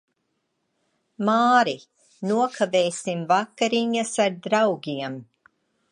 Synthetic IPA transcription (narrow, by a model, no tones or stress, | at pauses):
maːɾi | nuɔkʰaveːsimvakːaɾiɲasaɾd̪ɾawɡʲiɛm